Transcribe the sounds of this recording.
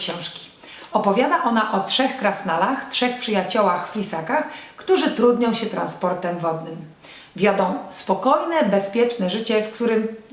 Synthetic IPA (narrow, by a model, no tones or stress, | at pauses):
ɕɔ̃w̃ʂkʲi̥ | ɔpɔvʲjad̪aʔɔnaʔɔtʂɛxkɾasnalaxtʂɛxpʂɘjat͡ɕɔwaxflʲisakaxkt̪uʐɘt̪ɾud̪ɲɔ̃w̃ɕɛt̪ɾa̰nspɔɾt̪ɛmvɔd̪nɘm | vʲjɔd̪ɔ̃w̃spɔkɔjnɛbɛspʲjɛt͡ʂnɛʐɘt͡ɕɛfkt̪uɾɘm